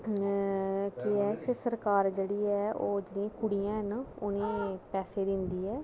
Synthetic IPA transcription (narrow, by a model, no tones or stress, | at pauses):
kɪɛːt͡ʃsəɾkaːɾd͡ʒeːɽiːɛːoːd͡ʒeːɽijãːkʊɽijãːɦnʊnẽːpɛːseːd̪ɪnd̪iːɛː